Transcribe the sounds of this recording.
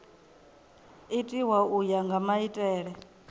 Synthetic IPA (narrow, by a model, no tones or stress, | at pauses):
itʼiwaʔujaŋɡamaitʼɛːɺɛ